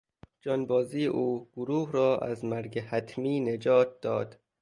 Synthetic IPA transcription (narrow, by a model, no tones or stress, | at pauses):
d͡ʒɒːnbɒːziːeʔuːɡ̥oɾuːhrɒːʔæ̰zmæɾɡehæt̪ʰmiːned͡ʒɒːt̪̚d̪ɒːd̪̥